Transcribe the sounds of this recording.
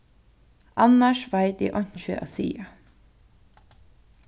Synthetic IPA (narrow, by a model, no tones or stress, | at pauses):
ʔɑnəʃʋæɪt̪ḭːʔɔnçøʔɑ̰sḭːɑ